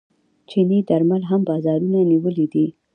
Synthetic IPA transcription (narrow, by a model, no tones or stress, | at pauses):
t͡ʃinid̪aɾmalɦambɑzɑɾunaniwəlid̪i